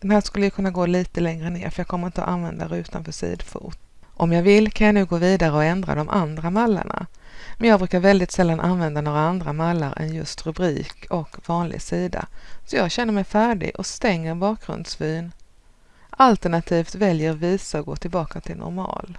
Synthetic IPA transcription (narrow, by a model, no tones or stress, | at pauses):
d̪̥ɛnhæːʂkɵlːəjəkʰɵnːaɡoːliːt̪əlɛŋɾəneːɾfœɾjɑːkʰɔməɾɪnt̪əɔ̰ʔanvɛnd̪a̰ɾʉ̟ːt̪anfœːʂḭːd̪fṵːt̪ | ʔɔmjɑːvɪlkʰanjɑːnʉ̟ːɡoːviːd̪aɾəɔɛnd̪ɾa̰d̪ɔmʔand̪ɾamalːa̰ɳa̰mɛnjɑːɡbɾʉ̟ːkaɾvɛld̪ɪt̪sɛlːanʔanvɛnd̪anoːɾaand̪ɾamalːaɾʔɛ̰njɵst̪ɾɵbɾḭːkʰɔkvɑːnlɪ̰ɡsiːd̪a̰sɔjɑːɡɕɛnːəɾmɛjfæːɖɪ̰ɡɔst̪ɛŋːəɾbɑːk̚ːɾɵ̰nd̪sviːn | ʔalt̪əɳat̪ʰiːft̪vɛljəɾviːsaɔɡo̰ːt̪ʰɪlbɑːkat̪ʰɪlnɔ̰ɾmɑ̰ːl